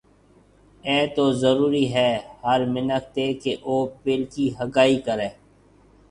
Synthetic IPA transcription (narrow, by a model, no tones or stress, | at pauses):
ɛːt̪ozəɾuːɾiɦɛːhəɾmɪnəkt̪eːkeʔoːpɪlkiɦəɡaːikəɾẽː